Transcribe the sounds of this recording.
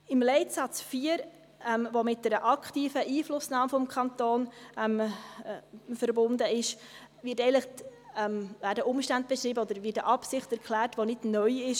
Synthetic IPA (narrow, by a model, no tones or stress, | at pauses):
ɪmlɛɪtsɑt͡sfiːəɾ | ɛmvomɪt̚dɛɾəʔɑkχtiːfəʔiːflʊsnɑːmfɔmkʰɑnt̪oːnɛm | fəɾbʊndəɪʃ | ʋɪtɛɪlɪχɛmvæːɾdəʔʊmʃtænd̚b̥ɛʃɾiːbəodəɾvɪt̚əʔɑpsɪχtɛɾkʰlæːɾtʋonɪdnœʏɪʃ